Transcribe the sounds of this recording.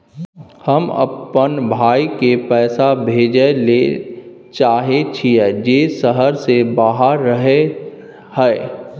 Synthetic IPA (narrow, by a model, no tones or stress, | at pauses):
həmə̰pːənbʱaːikepɛːsabʱeːd͡ʒəle | t͡ʃaːɦet͡ʃʰiɛd͡ʒeːsəɦəɾsebaːɦəɾːəɦe | hɛː